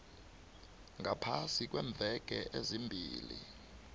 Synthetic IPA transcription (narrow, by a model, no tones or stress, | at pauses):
ŋɡʱapʰasik̬weɱb̪vʱɛkɛʔezimbʱiːlḭ